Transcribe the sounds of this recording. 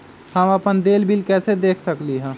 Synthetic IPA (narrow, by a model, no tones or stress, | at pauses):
həməpənd̪eːlbʱilkɛːsed̪eːkʰsəkliɦɛ̃ː